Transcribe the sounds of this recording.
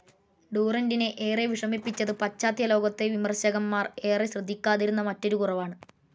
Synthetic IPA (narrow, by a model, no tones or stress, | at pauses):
ɖuːrɐndine̞ʔeːreʋiʂrɐmipːit͡ɕːɐðɨpɐt͡ɕːaːðjɐlo̞ːɡɐt̪ːe̞ʋimɐrɕɐɣɐmːaːre̞ːreɕrɨd̪ʱːikʲːaːðiɾunːɐmɐtːo̞ɾukurɐʋaːɳɨ